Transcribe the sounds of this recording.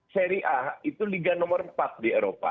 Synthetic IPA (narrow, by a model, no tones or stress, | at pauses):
sɛɾiʔait̪uliɡanɔmɔrmpat̪̚dieɾopa̰